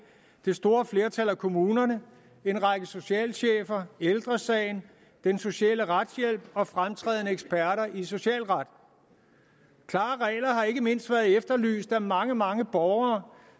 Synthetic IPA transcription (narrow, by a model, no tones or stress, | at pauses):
d̥e̝sd̥o̝ːɐfle̝ːɐt͡sʰælækʰo̝muːnɐnə | e̝nʁɑɡ̥əso̝ɕɛ̰ːlɕḛːfɐeld̥ʁɐsɛːɪn | d̥enso̝ɕɛ̰ːləʁad̥sjel̰b̥̚ɒ̽fʁamt͡sʰʁɛ̰ːðˠnəeɡ̥sb̥æɐɾɐʔiso̝ɕɛ̰ːlʁɑd̥ | kʰlɑ̈ːʁɛ̰ːɪlɐɦɑ̈e̝ɡ̥əme̝n̰sd̥ʋæːɐð̩ˠefd̥ɐly̰ːsd̥æmɑ̈ŋəmɑ̈ŋəb̥ɒʊɐː